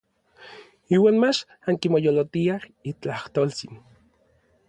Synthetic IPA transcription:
iːwaːnmat͡ʃ | aŋkimojolot̪iahit͡ɬaht̪oːlt͡sin

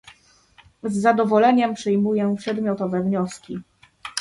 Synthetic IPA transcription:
zːad̪ɔvɔlɛɲɛmpʂɘjmujɛpʂɛd̪mʲjɔt̪ɔvɛvɲɔskʲi

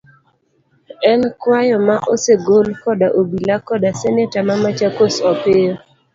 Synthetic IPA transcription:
ɛnkwajɔmaʔoseɡolkɔdaʔobilakɔdasɛnɛtamamat͡ʃakosɔpɪo

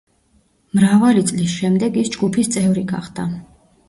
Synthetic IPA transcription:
mɾavalit̪sʼlisʃɛmd̪ɛɡisd͡ʒɡupʰist̪sʼɛvɾiɡa̰χd̪a

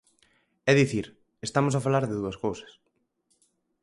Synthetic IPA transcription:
ɛðiθiɾ | est̪amos̬afalaɾðeðuɐskowsɐ̥s

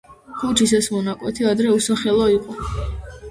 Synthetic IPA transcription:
χut͡ʃʰisɛsmɔnakʼwɛ̰t̪ʰiad̪ɾɛusaχɛlˠɔiqʼɔ

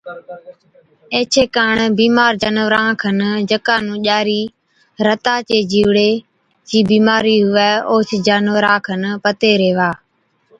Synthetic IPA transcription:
ẽːt͡ʃʰeːkaːɳbiːmaːɾd͡ʒənʋəɾãːkʰənd͡ʒəkaːnũːʄaːɾiː | ɾət̪aːt͡ʃeːd͡ʒiːʋɽeː | d͡ʒiːbiːmaːɾiːɦʊʋɛːoːt͡ʃʰd͡ʒaːnʋəɾaːkʰənpət̪eːɾeːʋaː

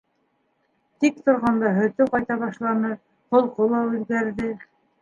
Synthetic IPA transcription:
t̪ik̚t̪ŏɾʁɑnd̪ɑɦɵ̆t̪ɵqɑjt̪ɑβɑʃlˠɑnɤ | qŏlˠqolˠɑʉðɡæɾðɘ

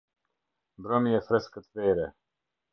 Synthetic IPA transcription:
mbɾɔmiɛfɾɛskət̪vɛɾɛ

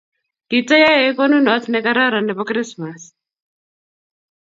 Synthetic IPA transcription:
kit͡sajaɛkɔnunɔt̪ʰnɛkaɾaɾanɛpɔkɾismas

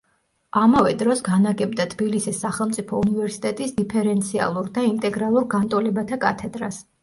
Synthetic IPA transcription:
amavɛd̪ɾɔsɡanaɡɛbd̪at̪ʰbilisisːaχɛlˠmt̪sʼipʰɔunivɛɾsi̥t̪ʼɛt̪ʼisd̪ipʰɛɾɛnt̪sʰia̰lˠuɾd̪aint̪ʼɛɡɾalˠuɾɡant̪ʼɔlɛbat̪ʰakʼat̪ʰɛd̪ɾas

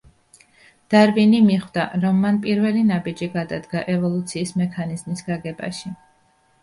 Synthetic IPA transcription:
d̪̥aɾbinimiχd̪aɾɔmːanpʼiɾvɛlinabid͡ʒiɡad̪ad̪ɡaʔɛvɔlˠut̪sʰiːsmɛkʰanizmisɡaɡɛba̰ʃi

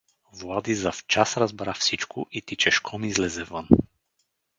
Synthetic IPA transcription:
vlˠad̪izaft͡ʃasɾazbɾafsit͡ʃkʊʔit̪it͡ʃɛʃkʰɔmizlɛzɛvən

